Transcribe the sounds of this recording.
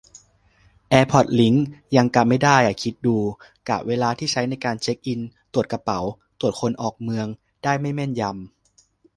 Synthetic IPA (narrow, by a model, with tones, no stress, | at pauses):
ʔɛː˧pʰɔ˨˩t̪̚li˩˦˥ŋja˧ŋka˨˩p̚ma˥˩jdaː˥˩ja˨˩kʰi˦˥t̪̚duː˧ | ka̰˨˩p̚weː˧laː˧t̪ʰiː˥˩t͡ɕʰa˦˥jna˧jkaː˧nt͡ɕʰe˦˥k̚ʔi˧nt̪u˨˩ət̪̚ka˧pa˩˦wt̪u˨˩ət̪̚kʰo˧nʔɔː˨˩k̚mɯ˧əŋ | d̥aː˥˩jma˥˩jmɛ˥˩nja˧m